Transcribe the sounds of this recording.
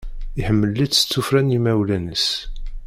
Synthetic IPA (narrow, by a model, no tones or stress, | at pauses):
iħəmːəlːidə̥t͡sːufɾænjimæwlænəs